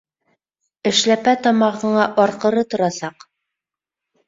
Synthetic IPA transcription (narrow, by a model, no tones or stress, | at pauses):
ɘ̆ʃlæpæt̪ɒmɑʁðɤ̆ɴɑʔɒɾqɤ̆ɾɤt̪ŏɾɑsɑq